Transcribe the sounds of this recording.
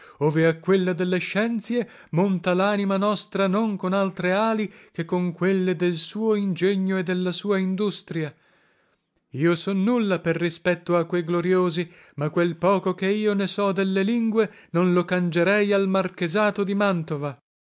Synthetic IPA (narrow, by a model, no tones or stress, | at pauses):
oːveakːwelːad̪elːeʃːɛnt̪sje | mont̪alaːnimanɔst̪ɾanoŋkonalt̪ɾeaːlik̟ekːoŋkwelːed̪elsuːoind͡ʒeɲːoed̪ːelːasuːaind̪ust̪ɾia | iːosɔnːulːaperːispɛt̪ːoakːwejɡloɾjoːzi | makːwelpɔːkokeiːonesɔd̪elːeliŋɡwenonlokand͡ʒeɾɛjalmarkezaːt̪od̪imant̪ova